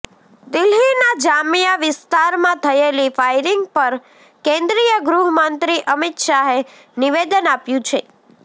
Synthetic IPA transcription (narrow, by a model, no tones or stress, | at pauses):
d̪ɪlɦinad͡ʒamijaʋɪst̪aɾmãt̪ʰəelifajɾɪŋɡ̚pəɾ | kẽnd̪ɾijəɡɾuɦəmənt̪ɾiʔəmɪt̪ʃaɦe | niʋed̪ənapjũt͡ʃʰe